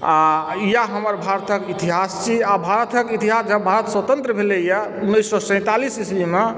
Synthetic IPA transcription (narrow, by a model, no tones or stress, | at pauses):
aijaɦəməɾbʱaɾt̪ʰəkit̪iɦast͡ʃʰiabʱaɾət̪ʰəkit̪iɦasd͡ʒəbʱaɾət̪swət̪ə̃nt̪ɾəbʱeleijaunːəjsːɔsə̃ɪ̃t̪alisismime